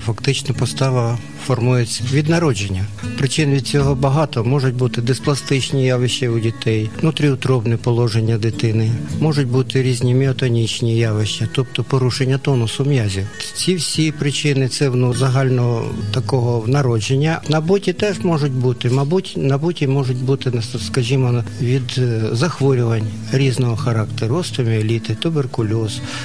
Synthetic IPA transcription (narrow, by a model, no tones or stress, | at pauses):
fɐkt̪ɪt͡ʃnɐpɔst̪ɑʋɐ | fɔrmujet͡sʲːɐʋʲid̪nɐɾɔd͡ʒenʲːɐpɾɪt͡ʃɪnʋʲid̪̚t͡sʲɔɦɔbɐɦɑt̪ɔmɔʒʊt̚ʲbut̪ɪd̪esplˠɐst̪ɪt͡ʃnʲijaʋɪʃt͡ʃɪʊdʲit̪ɛj̪nut̪ɾʲiut̪ɾɔbnɪpɔlˠɔʒenʲːɐd̪ɪt̪ɪnɪmɔʒʊtʲbut̪ɪɾʲizʲnʲimʲiɔt̪ɔnʲit͡ʃnʲijaʋɪʃt͡ʃɐt̪ɔp̚t̪ɔpɔɾuʃenʲːɐt̪ɔnʊsʊmjazʲit͡sʲiwsʲipɾɪt͡ʃɪnɪt̪sɛwnzɐɦɑlʲnɔɔt̪ɐkɔɦɔwnɐɾɔd͡ʒenʲːɐnɐbutʲit̪ɛʒmɔʒʊtʲbut̪ɪmɐbutʲnɐbutʲimɔʒʊtʲbut̪ɪnskɐʒʲimɔnʋʲid̪zɐxʋɔɾʲʊʋɐnʲ | ɾʲiznɔɦɔxɐɾɑkt̪eɾʊst̪ʊmʲiɔlʲit̪ɪt̪ʊberkʊlʲɔz̥